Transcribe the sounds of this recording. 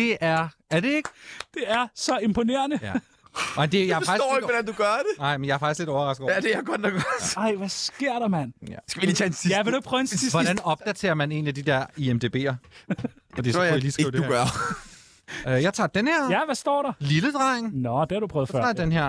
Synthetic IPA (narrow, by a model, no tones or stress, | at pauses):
d̥e̝ʔæɐ | æɐɾe̝e̝ɡ̥d̥e̝æɐsɒ̽e̝mpʰo̝ne̝ːɐnə | mend̥e̝jɑ̈æɐsɑ̈ɡ̥idɔ̰ɪɡ̥ʋɒdænd̥uɡ̥ɶɐd̥enɑ̈ɪ̰menjɑ̈æɐfɑ̈ɡ̥isɡ̥le̝ɾɒʊɐʁɑ̈sɡ̥̩ɔ̰d̥ejaɡ̥ɒd̥ɑ̥ɑɪ̰ʋæsɡ̥e̝ɐ̰ɾɑmænsɡ̥æiit͡sʰænsiæʋedopʰʁœenssiʋɒd̥ænɒ̽b̥̚d̥æt͡sʰe̝ːɐmæne̝̰ːnlid̥id̥ɛɐ̰iemd̥e̝b̥e̝̰ːɐ | fɒd̥isiliːsɡ̥ḭʊd̥eṵɡɶɐ | øjɑ̈ɪt͡sʰɑ̰̈ːd̥enheɐ̰jæʋæsd̥ɒ̰ːɾɑliləd̥ʁɑ̈eŋnɒd̥e̝hɑ̈ɾ̥upʰʁœːð̩ˠfɑ̰̈ːdenɦeɐ̰